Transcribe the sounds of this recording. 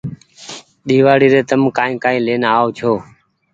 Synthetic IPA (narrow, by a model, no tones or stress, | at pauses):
ɗiːʋaːɽiːɾeːt̪əmkãːĩːkaːĩːleːnaːot͡ʃʰoː